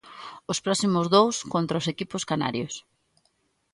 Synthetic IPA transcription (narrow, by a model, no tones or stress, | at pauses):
ʊspɾɔsimʊzðowskont̪ɾaosekipʊskana̰ɾjos